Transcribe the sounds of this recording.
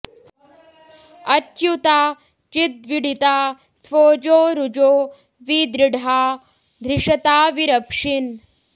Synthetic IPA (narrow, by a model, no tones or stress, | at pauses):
ɐt͡ʃːjut̪aː | t͡ʃit̪̚ʋiɽit̪aː | sʋoːd͡ʒoːɾud͡ʒoː | ʋid̪ɾiɖʱaː | d̪ʱɾiʂɐt̪aːʋiɾɐpʂin